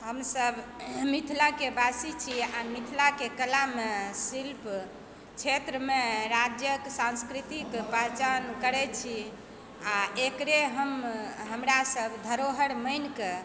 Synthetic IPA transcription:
ɦəmsəbʱmit̪ʰilakebasit͡ʃʰiamit̪ʰilakekəlamesilp | t͡ʃʰet̪ɾəmeɾad͡ʒjəksãnskɾit̪ikpəɦt͡ʃankəɾɛt͡ʃʰi | aekɾeɦəmɦəmɾasəbʱd̪ʱəɾoɦəɾməjnke

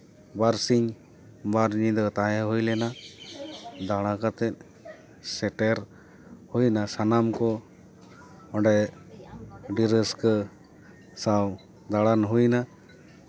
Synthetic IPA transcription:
baɾsiɲ | baɾɲid̪ɔt̪ajaɦujlɛna | d̪aɽakat̪ɛt̪̚ | sɛʈɛɾ | hujnasanamkɔ | ɔɖɛ | ɖiɾəskə | saw | d̪aɽanɦujna

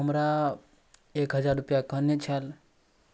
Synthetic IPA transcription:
ɦəmɾa | ekɦəd͡ʒaɾupjakənet͡ʃʰal

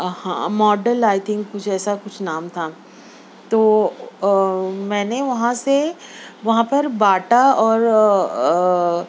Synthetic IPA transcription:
hã̰ːmɔːɖəlaːɪt̪ʰɪ̃ŋkkʊt͡ʃʰɛːsakʊt͡ʃʰnaːmt̪ʰa | t̪oː | mɛ̃ːneʋɐɦãseʋɐɦãpɐɾbaːʈaɔːɾ

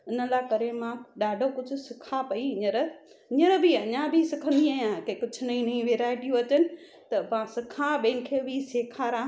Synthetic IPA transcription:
ɪnə̆laːkɐɾemãɗaːɖʱokʊd͡ʑʱʊ̆sɪkʰapɐiɪɲəɾ | ɪɲəɾbʱiɐɲãbʱisɪkʰə̃nd̪iaːjãkekʊd͡ʑʱʊnɐĩnɐĩʋeːɾaːɪʈijũɐt͡ɕənɪ̆ | t̪ɐʋãsɪkʰãɓẽːnɪ̆kʰeːbʱiseːkʰaːɾãː

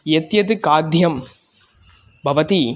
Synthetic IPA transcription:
jɛt̪jɐðɯkaːd̪jɐm | bʱɐʋɐt̪i

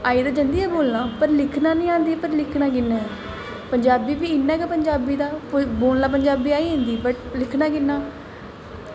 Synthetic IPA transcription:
aːiːd̪aːd͡ʒənd̪iːɛːboːlnãːpəɾlɪkʰnaːnəĩːãːnd̪iːpəɾlɪkʰnaːk̬ɪnːɛ̃ː | pəɲd͡ʒaːbiːbiːɪnːɛ̃ːɡaːpəɲd͡ʒaːbiːd̪aːpboːlnaːp̬əɲd͡ʒaːbiːaːiːɦːnd̪iːbəʈlɪkʰnãːkɪnːaː

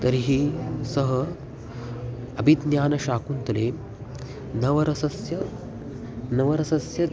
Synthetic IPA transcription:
t̪ɐɾiɦiːsɐɦə | ɐbʱid̪njaːnɐɕaːkunt̪ɐle | nɐʋɐɾɐsɐsjɐ | nɐʋɐɾɐsɐsjɐ

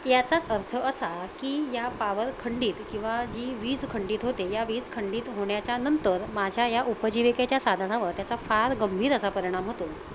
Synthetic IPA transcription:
jat͡sat͡səɾt̪ʰəːsakiːjapaʋəɾkʰəɳɖiːt̪kĩw̃ʋad͡ʑiːʋiːd͡zkʰəɳɖiːt̪ɦot̪ejaʋiːd͡zkʰəɳɖiːt̪ɦoɽjat͡ɕjanənt̪əɾmad͡ʑʱjajaʔupəd͡ʑiʋikat͡ɕjasad̪ʱnaʋəɾt̪jat͡safaɾɡəmbʱiːɾəsapəɾiɽ̃amɦot̪on

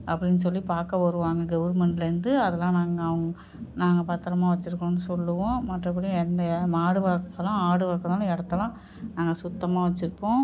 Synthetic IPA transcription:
ɐpːɐɽɪnːɯs̬ɔlːipaːɾkɐʋɐɾɯʋaːŋɡɐɡɐʋɐɾmɛɳʈlɐɾɯnd̪ɯɐðɐlãːnaːŋɡɐːʋɐŋɡɐ | naːŋɡɐpɐt̪ːɐɾɐmaːʋɐt͡ʃːɪɾɯkːɳʊ̃nːɯsɔlːɯʋõmɐʈrɐɐp̬ːɐɽɪj̃ɛnd̪ɐmaːɽɯʋaːkːɐlãːaːɽɯʋaːkːɐt̪aːlɐ̃ɛɽɐt̪ːɐlãː | naːŋɡɐsʊt̪ːɐmaːʋɐt͡ʃːɪɾɯpːõː

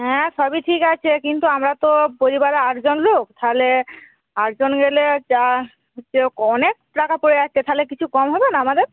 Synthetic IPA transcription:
ɦɛ̃sɔbiʈʰikat͡ʃʰekint̪uamɾat̪opoɾibaɾeaɾd͡ʒonlokt̪ʰale | aɾd͡ʒonɡeled͡ʒa | t͡ʃeokɔnek̚pɾakapoɾeast̪ʰet̪ʰalekit͡ʃʰukɔmɦɔbenaamad̪eɾ

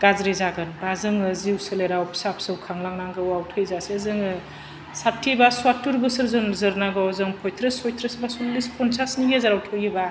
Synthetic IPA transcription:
ɡ̥azɾezaɡɯnbazɯŋɯziwsɯleɾawpʰsap̚ʰsɯwkʰaŋlaŋnaŋɡɯwawtʰɯjzasezɯŋɯ | sap̚tʰibaswatːuɾbɯsɯɾzɯnzɯɾnaɡɔwzɯŋpʰɔjtʰɾɯsʰɔjt̪ʰɾɯsbasulispʰɔnsʰasnijezaɾawtʰɔjɯba

